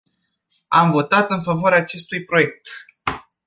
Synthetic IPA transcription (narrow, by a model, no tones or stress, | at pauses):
amvo̞t̪at̪ɨnfavoaɾeaːt͡ʃe̞st̪ujpɾo̞je̞k̚t̪